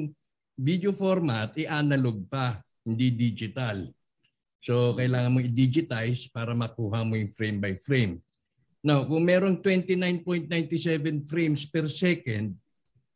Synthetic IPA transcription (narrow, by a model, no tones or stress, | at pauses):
ŋ | vid̪jofoɾmat̪ɛʔanɐloɡ̚pɐ | hɪnd̪id̪id͡ʒɪt̪al | so̞kɐʔɪlaːŋɐnmoɪd̪iːd͡ʒɪt̪ajspaːɾɐmɐkuːɦɐmojʊŋfɾɛjmbɐjfɹejm | nowkʊŋmɛːɾo̞ŋt̪wɛnt̪ɪnajnpojnt̪̚najnt̪ɪsɛvɛnfɾejmspɛɾsɛkɛnd̪̚